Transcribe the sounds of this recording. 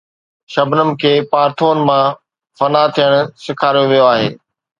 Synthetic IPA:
ʃɐbnəmɪ̆kʰeːpaːɾt̪ʰoːnmã | fɐnat̪ʰijəɽ̃ʊ̆sɪkʰaːɾijoʋijoaːɦḛː

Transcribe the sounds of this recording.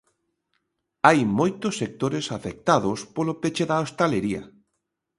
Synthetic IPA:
ajmojt̪ʊsːek̚t̪oɾesafek̚t̪aðʊspolopet͡ʃeðaost̪aleɾiɐ̰

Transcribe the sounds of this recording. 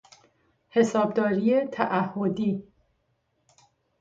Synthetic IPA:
he̞sɒːb̚d̪ɒːɾiːet̪ʰæʔæhːod̪iː

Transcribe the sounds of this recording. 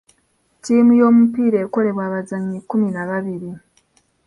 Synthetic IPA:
tiːmujo̞ːmupiːɾeːko̞le̞βwaːβazaɲːikːuminaβaβiɾi

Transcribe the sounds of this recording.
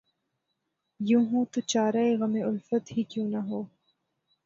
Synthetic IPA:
jũːɦũːt̪ot͡ʃaːɾaeɣɐmeʔʊlfət̪ɦikjũːnɐɦoː

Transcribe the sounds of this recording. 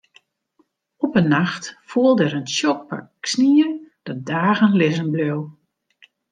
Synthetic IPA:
ɔpənːaxtfuəlˠdɛɾənʃjɔk̚pa̰ksniəd̥ədaːɣənlɪzənbløw

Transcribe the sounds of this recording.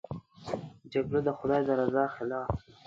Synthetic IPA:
d͡ʒaɡɽod̪əxʊd̪ɑjd̪əɾazɑxɪlɑːf

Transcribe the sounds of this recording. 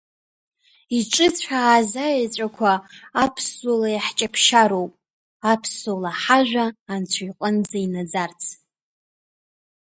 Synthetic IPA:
iʈ͡ʂʼɨt͡sʷʰħaːzajat͡ɕʷʼakʷʰaːpʰsolajħt͡ʃʼapʰʃaɾowpʼ | apʰsolaħaʒᶣʷaːnt͡sʷʰaiqʼənd͡zainad͡zart͡sʰ

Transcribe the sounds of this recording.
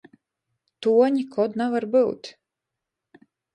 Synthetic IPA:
t̪uɔɲʲikʰɔd̪navaɾbɨwt̪ʲ

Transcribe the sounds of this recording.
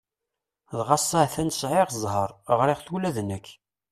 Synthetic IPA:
ðʁɑsˤːəʕθænə̥sʕɪʁzˤɦəɾˤʁɾɪʁθulæðnəkː

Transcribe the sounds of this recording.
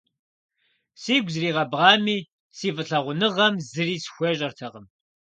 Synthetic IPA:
siːɡʷzriːʁɐbʁɑːmiː | siːvɨɬɐʁʷʊnɨʁɐmzɨriːsxʷeɕʼɐrtʰɐʁəm

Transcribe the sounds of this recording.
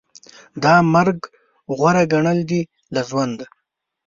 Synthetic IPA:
d̪ɑmaɾɡ | ɣwaɾaɡaɳəld̪i | laʒwand̪a

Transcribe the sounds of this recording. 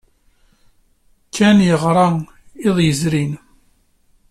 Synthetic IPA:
kʰːænjəʁɾˤɑ | ɪðˤjəzɾin

